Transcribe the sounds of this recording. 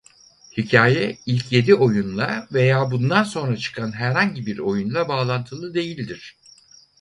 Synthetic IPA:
hicʰaːjɛilʲcʰje̞d̪iʔo̞junlˠave̞jaːbund̪anso̞nɾat͡ʃʰɯ̥kʰanɦæɾhaɲɟibiɾo̞junlˠabaːlˠant̪ʰɯlˠɯd̪e̞jilʲd̪iɾ̝̥

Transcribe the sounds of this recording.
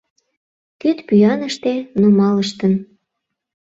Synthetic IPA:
kyt̪pyjɑnəʃt̪enomɑləʃt̪ən

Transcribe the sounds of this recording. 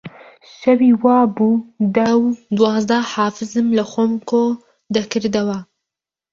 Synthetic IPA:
ʃawiwɑːbud̪awd̪wɑːzd̪ahɑːfɪzɨmlaxomko | d̪akɨɾd̪awa

